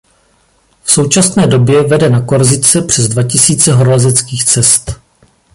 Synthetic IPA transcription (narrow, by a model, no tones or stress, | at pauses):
fsowt͡ʃasnɛːdo̞bjɛvɛdɛnako̞ɾzɪt͡sɛpr̝̥ɛzdvacɪsiːt͡sɛɦoɾolazɛt͡skiːxt͡sɛst̪